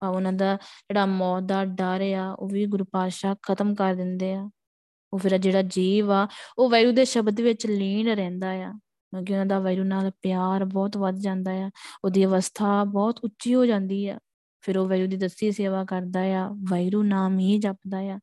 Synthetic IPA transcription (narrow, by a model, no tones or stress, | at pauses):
aʊnãːd̪aːd͡ʒeːɽaːmɔːd̪aːɖaːɾeːaːoːʋiːɡʊɾpaːʃaːkʰət̪əmkəɾd̪ɪnd̪eːaː | oːpʰɪɾd͡ʒeːɽaːd͡ʒiːʋaːoːʋaːiɾuːd̪eːʃəbd̪ʋɪt͡ʃliːɳɾɛ̃ːnd̪aːjaː | kõːkɪʊnãːd̪aːʋaːiɾuːnaːlpɪjaːɾbɔːt̪ʋəd̪d͡ʒãːnd̪aːjaːoːd̪iːəʋəst̪ʰaːbɔːt̪ʊtːʃiːɦoːd͡ʒãːnd̪iːɛ̰ː | pʰɪɾoːʋaːɾuːd̪iːd̪əst̪iːseːʋaːkəɾd̪aːjaːʋaːiɾuːnaːmɦiːd͡ʒapd̪aːjaː